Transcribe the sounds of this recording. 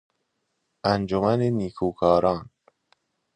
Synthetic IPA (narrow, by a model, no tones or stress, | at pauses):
ʔænd͡ʒomæneniːkʰuːkʰɒːɾɒːn